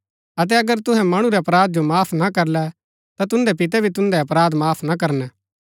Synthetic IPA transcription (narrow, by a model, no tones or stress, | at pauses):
ɐt̪̬ɛɐɡəɾt̪ʊɦɛ̃mɐɽ̃uɾɛɐpɾaːd̪̚d͡ʒomaːpʰnɐkɐɾlɛ | t̪at̪ʊ̃nd̪ɛpɪt̪̬ɛbʱit̪ʊ̃nd̪ɛɐpɾaːd̪maːpʰnɐkɐɾnɛː